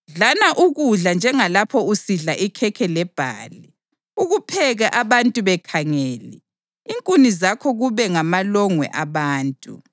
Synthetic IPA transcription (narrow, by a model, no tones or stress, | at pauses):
ɮanaʔuɣuɮand͡ʒʱɛŋalapʰɔusiɮaʔikʰɛkʰɛlɛb̥ʱa̰ːli | uɣupʰɛɣaʔaβantʼuβɛkʰaŋɛːlɛ̰ | iŋkʼunizakʰɔɣuβɛŋamalɔŋwɛ̰ʔaβaːntʼṵ